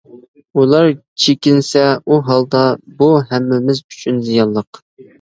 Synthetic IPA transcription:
ulˠɑɾt͡ʃʰekʲɪnsɛuɦɑlˠd̪ɑbuɦɛmːɪmɪzy̥t͡ʃʰynzijɑnlˠəq

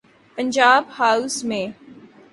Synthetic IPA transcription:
pə̃ɲd͡ʒaːbhaːusmẽː

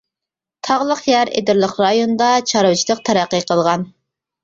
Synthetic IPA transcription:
t̪ʰɑʁlˠəqjæɾḛd̪ɪɾlˠəqɾɑjonɨd̪ɑt͡ʃʰɑɾwt͡ʃʰilˠəq̚t̪ʰæɾæqːəqʰəlˠʁɑn

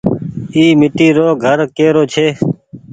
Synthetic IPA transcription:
iːmɪʈiːɾoːɡʱəɾkeːɾoːt͡ʃʰeː

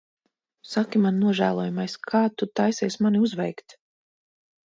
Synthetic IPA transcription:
sakʲimanːuɔʒæ̰ːlˠuɔjumajskʰaːt̪ut̪ajsɛjsmaniuzvɛ̰jkt̪

